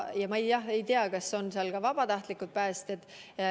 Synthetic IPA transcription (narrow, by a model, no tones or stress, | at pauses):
jɑmɑejjɑhe̞jt̪eɑkɑsːo̞nseɑlkɑvɑb̥ɑt̪ɑht̪likut̪̚pæːst̪et̪ːˑ